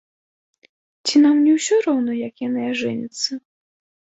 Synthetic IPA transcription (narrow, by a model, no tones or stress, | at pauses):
t͡sʲinamnʲɛwsʲɔɾɔwnɔjɐkjanɨaʐɪnʲɪt̪sːɐ